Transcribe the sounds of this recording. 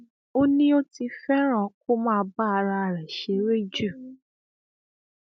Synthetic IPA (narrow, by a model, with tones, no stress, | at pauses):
o˦nĩ˦o˦ti˧fɛ˦ɾ̃ã˦˨ko˦mãː˦˨˧ba˦˧ɾa˧a˨ɾɛ˨ʃe˨˦ɾe˦d͡ʒu˦˨